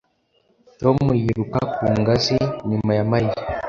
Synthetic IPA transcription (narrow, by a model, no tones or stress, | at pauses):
tɔmujiɾukakuŋɡasinimajamai